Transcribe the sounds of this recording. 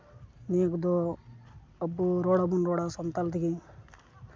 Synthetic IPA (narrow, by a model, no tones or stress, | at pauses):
nekd̪o | əbuɾoɽabunɾoɽasɔnt̪alt̪iɡi